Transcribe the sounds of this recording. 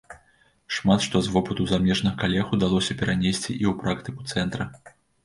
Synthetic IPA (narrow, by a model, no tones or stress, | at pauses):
ʂmat̪ʂt̪ɔzvɔpɐt̪uzamʲɛʐnɐɣɐkalʲɛxud̪alˠɔsʲɐpʲɛɾanʲesʲt͡sʲḭʔiwpɾakt̪ɨku̥t̪sɛnt̪ɾɐ